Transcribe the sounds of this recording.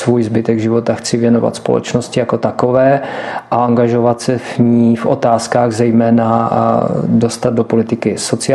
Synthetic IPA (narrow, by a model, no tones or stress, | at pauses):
svuːjzbɪt̪ɛɡʒɪvo̞t̪axt͡sɪvjɛno̞va̰t̪spolɛ̰t͡ʃnoscɪjako̞t̪akovɛːʔaaŋɡaʒo̞vat̪sɛvɲiːfʔo̞̰t̪aːskaːɣzɛjmɛːna | do̞st̪ad̪̚dopo̞lɪt̪ɪkɪso̞t͡sɪ